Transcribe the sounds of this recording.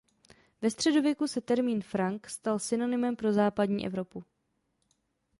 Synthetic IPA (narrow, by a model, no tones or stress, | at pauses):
vɛst̪r̝̥ɛdovjɛkusɛt̪ɛɾmiːnfɾaŋkst̪alsɪno̞nɪmɛmpɾo̞zaːpadɲḭːʔɛ̰vɾo̞pu